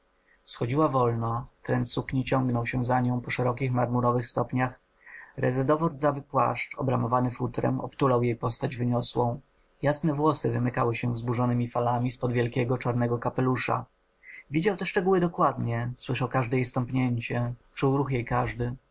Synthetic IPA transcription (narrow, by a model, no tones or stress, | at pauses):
sxɔd͡ʑiwavɔlnɔt̪ɾɛnt̪sukɲit͡ɕɔŋɡnɔwɕɛzaɲɔ̃w̃pɔʂɛɾɔkʲixmaɾmuɾɔvɘxst̪ɔpɲax | ɾɛ̰zɛd̪ɔvɔɾd̪zavɘpwa̰ʂt͡ʂɔbɾamɔvanɘfut̪ɾɛ̰mɔ̰pt̪ulawjejpɔst̪ad͡ʑvɘɲɔswɔ̃w̃ | jasnɛvwɔsɘvɘmɘkawɘɕɛvzbuʐɔnɘmʲifalamʲispɔd̪vʲjɛlkʲɛɡɔt͡ʂaɾnɛɡɔkapɛluʂa̰ | vʲid͡ʑawt̪ɛʂt͡ʂɛɡuwɘd̪ɔkwad̪ɲɛswɘʂawkaʐd̪ɛjejst̪ɔmpɲeɲt͡ɕɛt͡ʂuwɾuxjejkaʐd̪ɘ